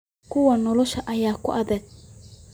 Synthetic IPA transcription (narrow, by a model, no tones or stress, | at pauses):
kʰʊwɐnɔlɔʃɐʔɐjaːkʰʊʔɐðɐɡ̚